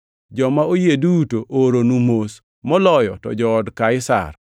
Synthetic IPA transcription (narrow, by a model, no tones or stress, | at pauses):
d͡ʒɔmaojedutoʔoɾonumos | mɔlɔjɔtɔ̰d͡ʒɔːdkaɪsa̰r